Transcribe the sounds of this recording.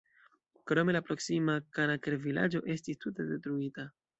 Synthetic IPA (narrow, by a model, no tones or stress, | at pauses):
kɾo̞me̞lapɾo̞ksimakanakeɾvila̰d͡ʒo̞ʔe̞stistute̞de̞tɾuita